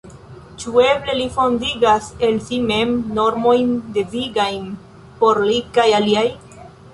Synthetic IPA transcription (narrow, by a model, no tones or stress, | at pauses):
t͡ʃue̞ble̞lifo̞ndiɡase̞lsime̞mːo̞ɾmo̞jnde̞viɡajn | po̞ɾlikajaliaj